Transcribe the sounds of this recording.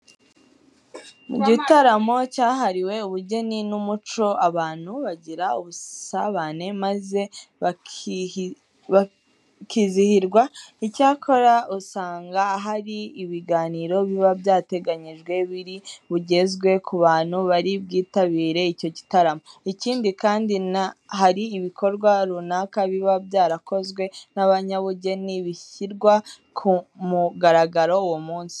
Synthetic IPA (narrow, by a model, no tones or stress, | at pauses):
muɟitaɾamo̞caːɦaɾiwe̞uβuɟe̞ninumut͡ʃo̞ʔaβaːn̥huβaɟiɾauβusaβane̞maze̞ | a | kizihiɾɡwaicaːkʰo̞ɾausaːŋɡaːɦaɾiːβiɡaːniːɾo̞βiβaβjaːte̞ɡaɲiʒɡwe̞βiɾiβuɟe̞zɡwe̞kʰuβaːn̥huβaɾibɡiːtaβiːɾe̞ico̞ci̥taɾamoiciːndikaːndinahaɾiːβiko̞ɾɡwaɾunaːkaβiβabjaːɾako̞zɡwe̞naβaɲaβuɟe̞niβiçiɾɡwa | kʰumuɡaɾaɡaɾo̞uwomuːnsi̥